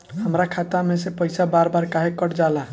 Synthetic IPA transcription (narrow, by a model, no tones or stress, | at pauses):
həmɾakʰat̪amesepəɪsabaɾbaɾkaɦekːəʈd͡ʒala